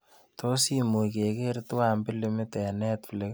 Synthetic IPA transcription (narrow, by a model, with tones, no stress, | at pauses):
to˦si˦mu˨ke˨ke˦ɾtwa˦mbɪ˦li˦mɪ˦tɛ˨nɛ˦tple˦k